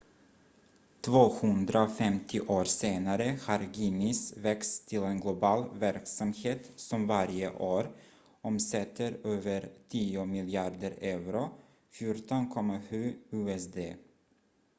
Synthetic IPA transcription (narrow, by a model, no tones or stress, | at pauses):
t̪ʰvoːhɵnd̪ɾafɛmt̪ʰɪʔoːɾseːnaɾəhaɾɡiːmɪsvɛkst̪ʰɪlenɡlʊbɑːlvæɾksamheːt̪sɔmvaɾjə̰ʔoːɾ | ʔɔmsɛt̪ʰːəɾøːvəɾtʰiːʊmɪlɪɑːɖ̪əɾɛvɾʊ | fjuɾʈɔnkʰɔmːaɧʉ̟ːʉːɛsd̪eː